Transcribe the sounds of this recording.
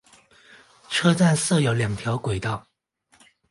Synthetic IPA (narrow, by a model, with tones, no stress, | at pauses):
ʈ͡ʂʰɤ˥t͡sa˥˧nsɤ˥˩jo˧˥ʊljɑ˨˩ŋt̪ʰjɑ˧˥ʊkwe˨˩ɪt̪ɑ˥˩ʊ